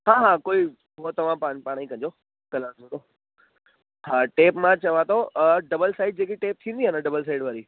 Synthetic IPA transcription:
ɦaːɦaːkoːi | ɦot̪ɐʋ̤ãpãːpaːɽ̃ikɐ̃ɲd͡ʑo | kɐlãːõd̪o | ɦaːʈeːpmãt͡ɕɐʋãt̪ʰoɖɐbəlsaːɪɖ̚d͡ʑeːkiʈeːp̚t̪ʰĩːnd̪iɦənəɖɐbəls̬aːɪɖʋaːɾiː

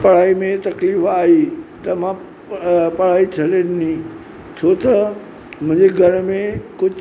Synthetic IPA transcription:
pɐɽ̤aːimẽt̪ɐkliːfaːɦit̪ɐmã | pɐɽ̤aːit͡ɕʰɐlennĩ | t͡ɕʰoːt̪ɐ | mʊ̃ɪ̃ɲd͡ʑeɡʱɐɾmẽkʊd͡ʑ

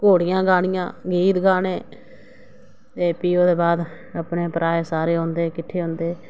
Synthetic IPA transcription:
koːɽɪjãːɡaːɽɪjã̰ːɡiːt̪ɡaːneː | t̪eːpiːoːd̪eːbaːd̪ | əpneːpəɾaːeːsaːɾeːɦõːnd̪eːkɪʈʰːeːɦõːnd̪eː

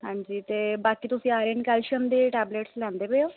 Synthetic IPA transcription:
hãːɲd͡ʒiːt̪eːbaːkiːt̪ʊsĩːaːɾəɳkɛːlʃəmd̪eːʈɛːbleːʈslɛ̃ːnd̪eːpeoː

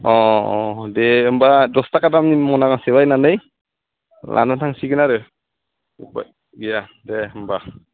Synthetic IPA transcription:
ɔɔdɛɯmbadɔstakatamnimɔnakaŋsɛwajnanɯj | lʔa̰nɔtʰaŋsiɡɯnaɾɯ | upa̰ | ɡijadɛɯmba

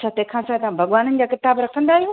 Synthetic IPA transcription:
t͡ɕʰaːt̪ɐ̃ɦkʰãsaːt̪ɐʋãbʱɐɠʋaːnənɪ̆d͡ʑaːkɪt̪aːbɾɐkʰə̃nd̪aːɦijũː

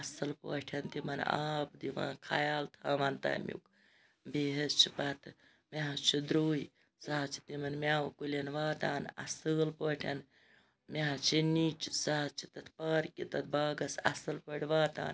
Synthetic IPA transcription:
ɐsɐlpə̰ːʈʰɐnt̪imɐna̰ːp̚d̪iʋa̰ːnkʰɐjaːlt̪ʰaːʋɐnt̪ɐ̰ːmʲjṵk | biɦɐt͡ʃʰipɐt̪ʰ | meɦɐt͡ʃʰid̪ɾuːj | saɦɐt͡ʃʰi̥t̪imɐnmʲaːwukulɐnʋaːt̪aːnɐ̰sɨːlpəːʈʲʰɐn | mʲeɦɐt͡ʃʰiniːt͡ʃsaːt͡ʃʰit̪ɐt̪ʰpɐɾkit̪ɐt̪̚ʰbaːɡɐsɐ̰sɐlpəʈʰʲiʋaːt̪a̰ːn

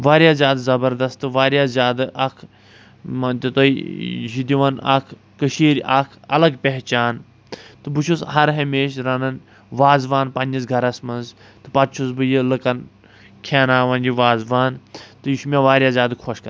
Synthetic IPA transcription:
ʋaːɾjaːzʲjaːd̪zɐbɐɾd̪ɐst̪ɨʋaːɾʲjaːzʲjaːd̪ɨʔɐkʰ | mɐt̪ɐt̪oiʒid̪iʋɐnʔa̰kʰ | kːəʃiːɾʲakʰɐlɐɡpʲeɦt͡ʃaːn | t̪ɨbut͡ʃʰushɐɾɦɐmeːʃɾɐnɐn | ʋaːzʋaːnpɐnʲd͡ʒɐzɡʱɐɾɐsmɐnz | t̪ɨ̥pɐt̪t͡ʃʰusbɨjilɨkɐn | kʲʰaːnaːʋɐnʲd͡ʒiʋaːzʋaːnt̪ɨjiʃmʲaʋaːɾʲjaːzʲjaːd̪kʰɔʃkɐ

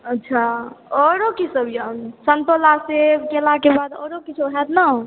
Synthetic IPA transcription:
ətːʃʰaɔɾokisəbʱjansənt̪olasekelakebad̪ɔ̰ɾokit͡ʃʰoɦɛt̪nə

